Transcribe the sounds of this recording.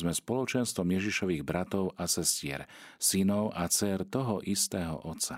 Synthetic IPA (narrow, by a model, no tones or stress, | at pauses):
zmɛspɔlɔt͡ʃɛnst̪ʋɔmjɛʒiʃɔʋiːɣbɾat̪ɔʊʔasɛscɪɛ̰ɾsinɔʊʔat͡sɛɾt̪ɔɦɔʔist̪ɛːɦɔ̰ʔɔt̪t͡sa